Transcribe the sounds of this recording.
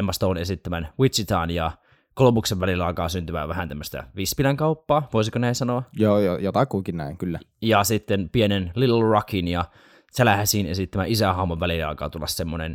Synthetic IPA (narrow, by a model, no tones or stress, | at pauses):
emːɑst̪oːnesit̪ːæmænwit̪sit̪ɑ̰ːnjɑ | kolopukseʋʋælilːæɑˑikɑːsynt̪yʋæ̰ʋæhænt̪æmːøst̪æ̰ʋispilæŋkɑupːɑːʋoˑisikonæisɑnoɑjoːjojot̪ɑkuikinnæ̰iŋkylːæjɑsit̪ːenpienenlilrɑkinjɑ | selæhæsinḛsit̪ːæmæ̰ʔisæhɑhmoʋʋælilɑ̰ˑikɑ̰ːt̪ulːɑssemːonḛn